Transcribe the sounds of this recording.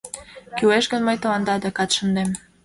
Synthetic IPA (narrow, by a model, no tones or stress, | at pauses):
kyweʃɣə̆nməjt̪ɤ̆lɑnd̪ɑd̪ekɑt̪ʃə̆nd̪em